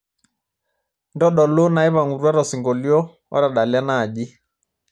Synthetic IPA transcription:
ndɔ˦ɗɔ˨lo˦na˨e˦βa˨ŋu˨ɾwa˦ɾɔ˨si˨ŋɡo˨ljɔ˦ | ɔ̰˦ɾa˨ɗa˨lja˦naː˦˨ʄi˦

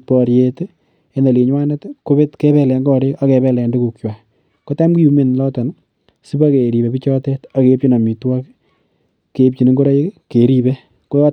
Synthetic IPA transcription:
pɔ˨ɾjet | e˦na˨le˨ɲwa˦ne˦tko˦βe˦tke˦βɛ˦lɛ˧ŋɡɔ˦ɾe˦ka˦kɛ˨βɛ˨˦lɛ˨˧ndu˦ku˨k̚t͡ʃwa˨ | ko˦ta˦mku˦ju˦me˨nlɔtɔ˨n | si˦ba˦ke˨ɾi˨βe˨pi˦t͡ʃɔ˦tɛ˦ta˨kep̚t͡ʃi˦na˨mi˨twɔ˦k | ke˨p̚t͡ʃi˨ni˦ŋɡo˦ɾa˦ji˦kke˨ɾi˦be | ko˦jɔ˦

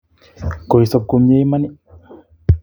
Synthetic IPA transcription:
ko˨i˨sɔ˧p̚ku˧mje˦jma˦ni˦

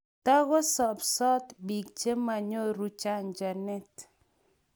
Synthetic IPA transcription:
ta˦ɣɔ˦sɔ˨psɔ˦t̪bi˨k̚t͡ʃe˦ma˨ɲo˦ɾu˦t͡ʃa˦nd͡ʒa˨nɛ˦t

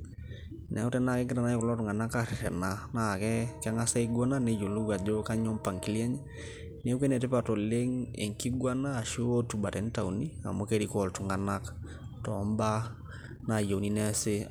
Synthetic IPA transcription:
nɛ˨ʊ˦tɛ˦na˦˨kɛ˦ɡɪ˦ta˨na˦kʊ˨lɔ˦tʊ˨ŋa˨na˦ka˦˨ɾɪ˨tɛ˨na˨na˦˨kɛ˦kɛ˦ŋa˦sa˦i˦ɡɔ˦na˦ne˦jo˨lu˦ɡa˨d͡ʒo˦ka˦ɲɔ˦mpa˨ŋki˦ljɛ˦ɲ˦ | ne˦kwe˦nɛ˨tɪ˦pa˨to˨le˦ŋḛ˨ŋki˦ɡwa˦naː˦˨ʃi˦o˦tu˨ba˨tɛ˨˦n˦ta˨wuni˦a̰˨mo˦ke˦ɾi˨kɔ˦˨ltu˨ŋa˨na˦k | tɔ˨˦mba˦ | na˨jo˨wni˦nɛ˦sɪ˦

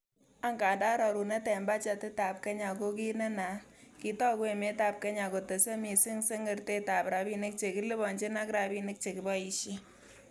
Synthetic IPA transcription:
a˦ŋka˨da˦ɾɔ˨ɾu˨nɛ˦tɛ˨mba˦t͡ʃa˧tɪ˦ta˨p̚ke˦ɲa˨ko˦ki˦ne˦na˨ki˦tɔ˦kwe˦me˦ta˨p̚ke˦ɲa˨ko˨te˨se˦mi˨si˦ŋse˦ŋɡe˨˦rte˦ta˨pɾa˨bi˦nɪ˦k̚t͡ʃe˨ki˦lɪ˦bɔ˨nt͡ʃe˦na˦kɾa˨bi˦nɪ˦k̚t͡ʃe˨kɪ˨bɔ˦i˨ʃi˦

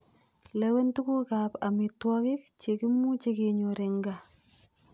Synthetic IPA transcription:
lewe˦ntu˦ku˦ka˨pa̰˨mɪ˨twɔ˦ki˦k̚t͡ʃe˨ki˦mu˦t͡ʃe˦ke˨ɲo˨ɾɪ˨ŋɡa˨

